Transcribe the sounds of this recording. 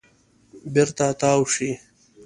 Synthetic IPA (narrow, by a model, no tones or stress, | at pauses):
biɾt̪aːt̪aːwʂi